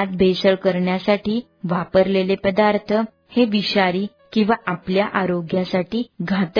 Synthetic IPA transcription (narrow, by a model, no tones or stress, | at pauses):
t̪̚bʱesəɭkəɾɳjasaʈiː | ʋapəɾlelepəd̪aɾt̪ʰə | heʋiɕaɾiː | kĩw̃ʋaʔapljaʔaɾoɡjasaʈiːɡʱat̪